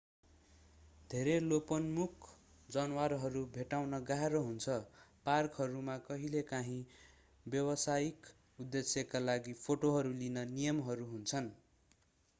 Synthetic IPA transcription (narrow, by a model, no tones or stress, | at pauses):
d̪ʱeɾelopʌnmukʰ | d͡zʌnwarɦʌɾubʱeʈawnʌɡaɦeɾoɦunt͡sʰʌparkɦʌɾumakʌɦilekaɦĩ | bjʌwʌsajik | ud̪ːesjʌkalaɡipʰoʈoɦʌɾulinʌnijʌmɦʌɾuɦunt͡sʰʌn